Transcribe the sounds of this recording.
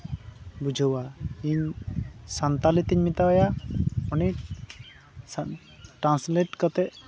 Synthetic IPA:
bud͡ʒʱəwaiɲsant̪alit̪iɲmit̪awajaɔni | ʈɾãnsleʈkɔt̪ɛʔ

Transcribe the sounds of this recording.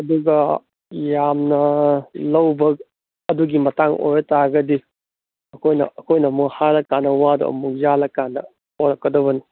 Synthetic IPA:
ɐduɡɐ | jamnɐlɐwbɐk̚ | ɐduɡimɐtaŋo̰jɾɐtaɡɐdi | ɐkʰojnɐ̰ɐkʰojnɐmukhalɐkːanːɐwado̰ɐ̰muk̚jalɐkːanɐ | hoɾɐkːɐdɐβɐni

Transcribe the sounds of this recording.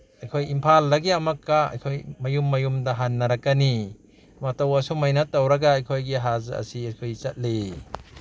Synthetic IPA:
ɐjkʰojimpʰalːɐɡiɐmɐkːaɐ̰jkʰojmɐjumːɐjumdɐɦanːɐɾɐkːɐni | matɐwɐsumajnɐtːawɾɐɡaːjkʰojɡiɦazɐ̰siɐjkʰojt͡ʃɐt̚le

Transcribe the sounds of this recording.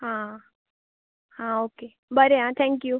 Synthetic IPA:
ɦã | hãokeː | bəɾeɦãt̪ʰɛ̃ŋkju

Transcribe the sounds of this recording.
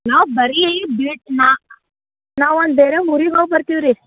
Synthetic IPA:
naːwbɐɾiejibiːʈ̚naː | naːwɔnd̪beːɾemuɾiɡaːwpɐɾt̪iʋɾi

